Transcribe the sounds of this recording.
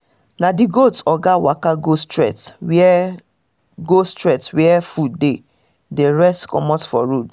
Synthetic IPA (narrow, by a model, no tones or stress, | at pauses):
nadɪɡotsɔɡawakaɡostɾɛ̰tw | ɡostɾɛtswɛɛfudde | deɾɛstkɔmɔtfɔɾud